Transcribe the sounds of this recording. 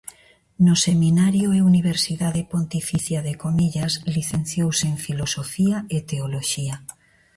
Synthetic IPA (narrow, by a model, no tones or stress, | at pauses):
nosemĩnaɾjoeuniβ̞eɾsiðaðepont̪ifiθjaðekomiʎazliθẽnθjowseɱfilosofiaet̪eoloʃia